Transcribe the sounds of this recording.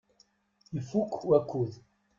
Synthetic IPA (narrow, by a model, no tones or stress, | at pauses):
ifukʰwakʰuð